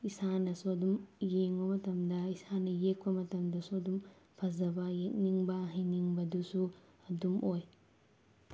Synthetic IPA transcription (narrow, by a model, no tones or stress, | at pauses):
isanɐsodumjeŋbɐmɐtɐmdɐisanɐjek̚pɐmɐtɐmdɐsodum | pʰɐzɐbɐjek̚niŋbɐɦiniŋbɐdusu | ɐdumoj